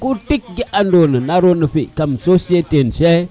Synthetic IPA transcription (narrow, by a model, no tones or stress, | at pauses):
kutik̚ɡiʔandonənaɾonəɸikamsosietenʃe